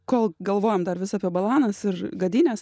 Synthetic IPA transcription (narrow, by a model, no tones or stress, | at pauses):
koːlˠɡɐlˠʋoːjɛmd̪ɐrʋʲɪsɑːpʲiɛbɐlˠɑːnɐsɪrɡɐd̪ʲiːnʲɛs